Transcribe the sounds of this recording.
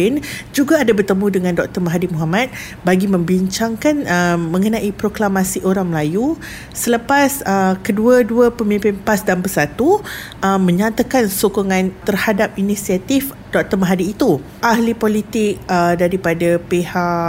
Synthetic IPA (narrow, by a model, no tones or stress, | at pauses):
ɪnd͡ʒuɡaːdabərt̪əmũdəŋãndɔk̚t̪ərmaɦadimuɦamat̪̚ | baɡimə̃mbiɲt͡ʃaŋkanəmə̃ŋənãʔipɾoklamasiʔoɾaŋməlaju | sələpasəkəduaduəpəmĩmpɪnpasdanbəsat̪u | əmə̃ɲat̪akansokoŋãnt̪ərhadap̚inĩsiat̪if | d̥ɔk̚t̪ərmaɦadiːt̪u | ʔahlipolit̪ɪk̚ədaɾipadapehaʔ